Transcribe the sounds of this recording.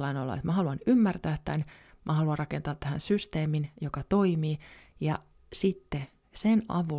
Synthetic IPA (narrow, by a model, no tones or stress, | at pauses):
lːɑinolːɑ̰ḛt̪mæhɑluɑnymːært̪æːt̪t̪ːæn | mʔæhɑluɑrrɑkent̪ɑːt̪t̪ːæhæ̰nsyst̪eːminjokɑt̪o̞imiː | jɑ | sit̪ːe | senʔɑ̰ʋu